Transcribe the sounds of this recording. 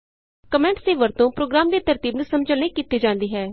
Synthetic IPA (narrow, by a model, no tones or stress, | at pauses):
kəmɛ̃ːɳʈseːʋəɾt̪õːpɾoːɡɾaːmd̪eːt̪əɾt̪iːbnũːsəməd͡ʒəlnẽːkiːt̪ːeːd͡ʒãːnd̪iːɦɛː